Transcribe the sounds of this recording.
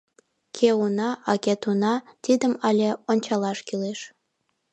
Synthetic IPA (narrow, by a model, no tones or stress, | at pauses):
kʰeunɑʔɑket̪unɑt̪id̪əmɑlʲeonʲt͡ɕɑlɑʃkileʃ